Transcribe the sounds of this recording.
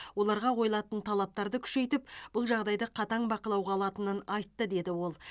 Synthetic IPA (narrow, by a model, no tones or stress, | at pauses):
wo̞lˠɑɾʁɑwʰo̞jlˠɑt̪ənt̪ʰɑlˠɑp̚t̪ɑɾd̪əkʲʰʏ̥ʃe̞jt̪ɪpb̥ʊlˠʒɑʁd̪ɑjd̪əqʰɑt̪ɑɴbɑqəlˠɑwʁɑːlˠɑt̪ənənɑjt̪ːəd̪e̞d̪ɪwo̞lˠ